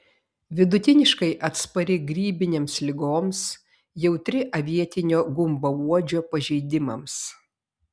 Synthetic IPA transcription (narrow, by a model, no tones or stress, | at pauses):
ʋʲɪd̪ʊt̪ʲɪnʲɪʃkɐɪʔɐt̪spɐɾʲɪɡɾʲiːbʲɪnʲeːmslʲɪɡoːms | jɛʊt̪ʲɾʲɪʔɐʋʲiɛt̪ʲɪnʲoːɡʊmbɐuɔd͡ʒʲoːpɐʒʲɛɪd̪ʲɪmɐms